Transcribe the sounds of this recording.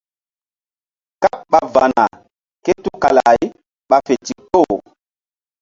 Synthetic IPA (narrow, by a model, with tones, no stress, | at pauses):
ka˦ɓa˨va˨na̰˨ | ke˦tu˦ka˨la̰˨j | ɓa˨fe˨ti˨ko˦˨